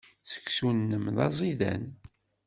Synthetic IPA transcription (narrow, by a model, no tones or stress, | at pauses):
t͡sə̥ksunːəmðɑ̰zˤiðæ̰n